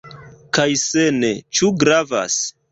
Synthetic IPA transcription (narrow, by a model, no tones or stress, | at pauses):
kajsenet͡ʃuɡɾava̰s